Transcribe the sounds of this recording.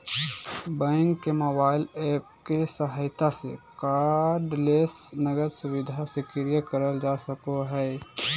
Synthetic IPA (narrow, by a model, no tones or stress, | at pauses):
bɛ̃ŋkːemobaːɪleːp̚kesəɦaːɪt̪asḛkaːɾɖleːsnəɡəɾsʊwɪd̪ʱasekɪɾijəkəɾəld͡ʒaːsəkoɦɛː